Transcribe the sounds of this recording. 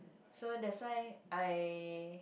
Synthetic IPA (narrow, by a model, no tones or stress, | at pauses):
sodɛtswajʔaj